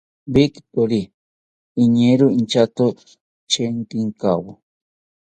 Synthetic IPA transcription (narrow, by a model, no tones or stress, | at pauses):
bikt̪oɾiː | ɲeɾuint͡ʃat̪o | t͡ʃeŋk̪iŋkawo